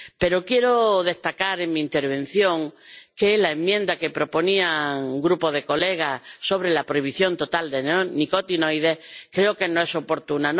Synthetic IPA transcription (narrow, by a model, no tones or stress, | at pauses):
pe̞ɾokje̞ɾoðe̞ht̪akaɾe̞ŋmĩːnt̪eɾβẽ̞n̟θjõ̞ŋkelaemːjẽ̞nd̪ake̞pɾo̞po̞niaŋɡɾupoðe̞ko̞le̞ɣ̞aso̞β̞ɾe̞lapɾo̞iβ̞iθjo̞nt̪o̞t̪ald̪e̞nikot̪inojð̞e̞kɾe̞oke̞noe̞so̞po̞ɾt̪unan